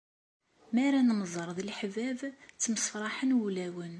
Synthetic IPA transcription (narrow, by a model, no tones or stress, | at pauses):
mæɾænməzˤəɾˤðilħvævt͡sːməsfɾˤɑħənwulæwən